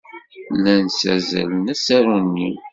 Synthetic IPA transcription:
lːænsæ̰zæ̰lnæsæɾunːi

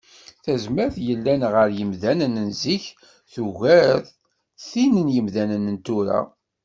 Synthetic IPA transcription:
θæzmæɾθjəlːænʁəɾjəmðænənənziç | θuʝæɾθ | θinənjəmðænənənt̪uɾa̰

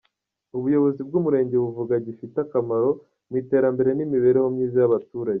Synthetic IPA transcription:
uβujo̞βo̞zib̚ɡumuɾe̞ːɲɟe̞βuvuɡaɟifitakamaɾo̞ | mwite̞ːɾambe̞ɾe̞nimiβe̞ːɾe̞ho̞mɲiːzijaβatuːɾaɟe

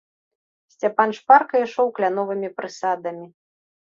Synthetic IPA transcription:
sʲt͡sʲapanʂparkɐiʂɔwklʲanɔvɨmʲipɾɨsad̪ɐmʲi

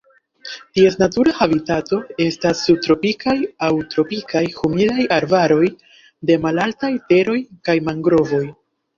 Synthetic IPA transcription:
tie̞snatuɾahabitato̞e̞stasːub̚tɾo̞pikajawtɾo̞pikajhumidajaɾbaɾo̞j | de̞malaltajte̞ɾo̞jkajmaŋɡɾo̞vo̞j

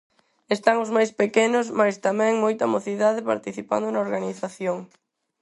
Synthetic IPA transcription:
est̪aŋʊzmajspekenʊsmajst̪amɛ̃ŋmojt̪ɐmoθiðaðɪpa̰ɾt̪iθipa̰nd̪ʊnɐoɾɣaniθaθjoŋ

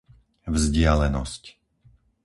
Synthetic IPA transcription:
vzɟɪalɛnɔsc

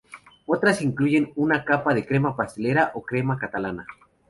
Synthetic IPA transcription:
ot̪ɾasiŋkluʝenunakapaðekɾemapast̪eleɾaʔokɾemakat̪alana

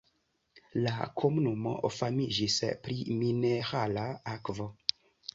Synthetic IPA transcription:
lakʰomunumo̰ʔofamid͡ʒispɾimineɾalaakvo

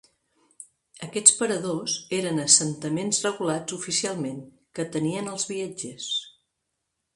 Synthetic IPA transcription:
əkɛt͡spəɾəðozeɾənəsənt̪əmenzrəɣulad͡zufisialˠmeŋ | kət̪əniənəlˠzβiad͡ʒɛs

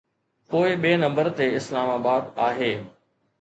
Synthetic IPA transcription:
poːɪɓeːnɐ̃mbəɾt̪eɪslaːmaːbaːd̪aːɦeː

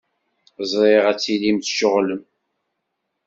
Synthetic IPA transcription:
zˤɾiʁæt͡sːilimθʃʊʁləm

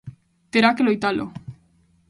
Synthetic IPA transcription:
t̪eɾakelojt̪alʔo̰

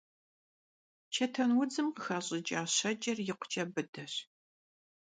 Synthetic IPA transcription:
t͡ʃʰɐtʰɐnwʊd͡zɨmqəxɐɕʼɪt͡ʃʼaːɕɐd͡ʒʼɐrjɪqʷʊ̥t͡ʃʼɐbɨdɐɕ

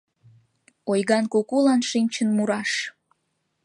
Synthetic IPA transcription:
ojɣɑnkukulɑnʃinʲt͡ɕənmuɾɑʃ

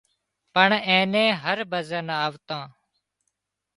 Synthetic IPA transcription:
pəɳẽːnẽːɦəɾbəzənaːʋt̪ãː

